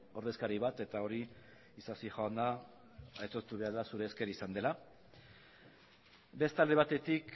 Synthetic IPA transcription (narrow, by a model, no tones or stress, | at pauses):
o̞ɾð̞eskaɾiβat̪e̞t̪ao̞ɾiː | sasixoand̪a | et̪o̞st̪uβe̞aɾðasuɾe̞ːske̞ɾaisand̪e̞la | be̞st̪ald̪e̞β̞at̪e̞t̪ik